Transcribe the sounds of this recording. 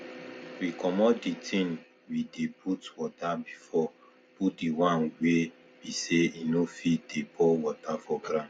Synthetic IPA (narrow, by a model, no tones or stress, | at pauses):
wikʰɔmɔditʰĩn | wideputwɔtabifɔ | put̚diwãnwe | biseinofidepowɔtafɔɡɾã